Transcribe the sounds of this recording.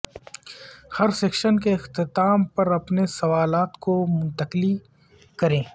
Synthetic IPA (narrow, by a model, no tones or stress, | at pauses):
hɐɾseːkʃənk̬eɪxt̪ɪt̪aːmpɐɾɐpnesɐʋaːlaːt̪komʊ̃nt̪ɐkɪli | kɐɾẽː